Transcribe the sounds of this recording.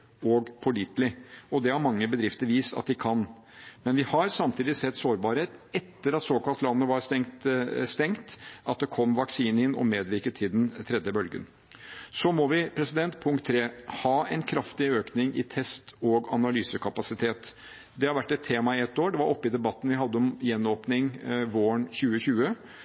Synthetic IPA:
ɔːɡpʰʊlɪt̪lɪɔd̪ɛhɑɾmɑŋːəbəd̪ɾɪft̪əɾʋiːst̪ɑ̰t̪̚d̪ɪkʰɑn | mɛnʋɪhɑɾsɑmt̪ʰiːd̪ɪsɛt̪ːsoːɾbɑːɾheːt̪ɛt̪ːəɾɑt̪soːkɑlt̪lɑnːəʋɑɾst̪ɛŋst̪ɛŋt̪ʔɑt̪̚d̪ɛkʰɔmːʋɑksiːnəɪnːʔɔ̰meːd̪ʋɪɾkət̪ʰːɪld̪ɛnt̪ʰɾɛd̪jəbœlɡə̰n | sɔmɔʋɪpʰɾɛsɪd̪ɛnt̪pʰʊŋkt̪ʰːɾeːhɑːɛnkʰɾɑft̪ɪøːknɪŋɪ̰t̪ʰɛst̪ɔɡɑnɑlyːsəkʰɑpɑsɪt̪ʰeːt̪ | d̪ɛhɑɾʋæʈːɛt̪ʰːeːmɑɪɛt̪ːoːɖɛʋɑɾɔpːɪd̪ɛbɑt̪ːn̩ʋɪɦɑd̪ːəɔmjɛnːoːpnɪŋʋoːəɳçʉːəçʉːə

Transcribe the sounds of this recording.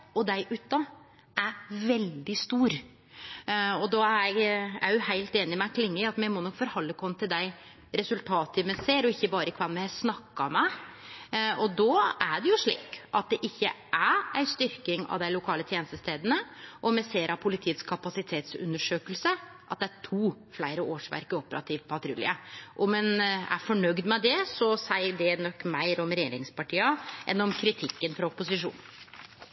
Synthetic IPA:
ɔd̪æɪʔʉːt̪ɑ | æɾʋɛld̪ɪst̪uːɾ | ɔd̪ɔæɾjɛɡæ̰ɾjʊhæɪlt̪eːnɪmɛkʰlɪŋːəɪɑt̪mɛɪmɔnɔkːfɔɾhɑlːəkʰɔmːət̪ʰɪld̪æɪ | ɾɛsʉlt̪ʰɑːt̪əmɛseːɾɔɪçːəbɑːɾəɪkʰʋɑnmɛsnɑkːɑ̰mæ | ɔd̪ɔæɖɛjʊʂɭḭːkʔɑt̪̚d̪ɛʔɪçːə̰ | ʔææɪst̪ʏɾkɪŋɑ̰ʋd̪æɪlʊkʰɑːlət̪ʰjeːnəst̪əst̪eːd̪ənəʔɔmɛseːɾɑpʰʊlɪt̪ʰiːət̪skʰɑpɑsɪt̪ʰeːt̪sʉ̰nːəʂøːkəlsə | ʔɑt̪̚d̪ɛæʈʰuː | flæɪɾəʔoːʂʋæ̰ɾkəɔpːəɾɑ̰t̪ʰiːʋpʰɑt̪ʰɾʉlɪ̰əʔɔmɛnæ̰fɔɳœɡd̪mɛd̪ɛsɔsæɪɖɛnɔkːmæɪɾɔmɾɛjeːɾɪŋspʰɑʈʰiːɑʔɛ̰nːɔmkʰɾɪt̪ʰɪkːənfɾɑʊpːʊsɪʂṵːn

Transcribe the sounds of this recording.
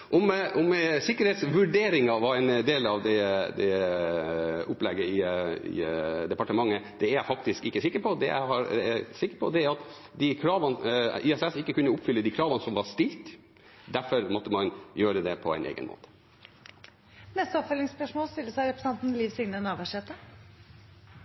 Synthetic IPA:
ʔɔmɔmsɪkːəɾeːt̪sʋʉɖeːɾɪŋɑʋɑɛɪnd̪eːlɑʋd̪ɛd̪ɛ | ʊplɛɡəɪɪ̰d̪ɛpɑʈəmɑŋːəd̪̥ɛæɾjæɪfɑk̚t̪ɪskɪkːəsɪkːəɾpʰɔd̪ɛ̰jæ̰ɪhɑɾɛæsɪkːəɾpʰɔ̰d̪ɛæɾɑt̪ | d̪ikʰɾɑːʋɑniɛsɛsɪkːəkʰʉnːəʊpfʏlːəd̪iːkʰɾɑːʋɑnsɔmʋɑɾst̪ɪlt̪ | d̪æɾfɔɾmɔt̪ːəmɑnjøːɾəd̪ɛpʰɔæ̰ɪnʔḛːɡə̰nmʔo̰ːt̪ə̥ | nɛst̪əɔpfœlɪŋspœʂmoːlst̪ɪlːəsæɪɾɛpɾsɛnt̪n̩liːʋsɪŋnənɑːʋəʂɛt̪ːə

